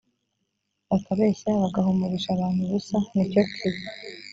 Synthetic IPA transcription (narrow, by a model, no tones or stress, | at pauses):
βakaβe̞ːçaβaɡaɦumuβiʃaβaːn̥huβusanicokʰiβi